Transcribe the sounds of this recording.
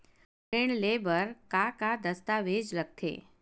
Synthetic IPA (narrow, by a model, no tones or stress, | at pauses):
eɳlebəɾkakad̪əst̪aʋed͡ʒləɡ̚t̪ʰḛ